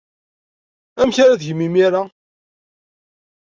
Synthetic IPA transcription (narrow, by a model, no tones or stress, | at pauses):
æmçaɾaðʝəmːimiɾa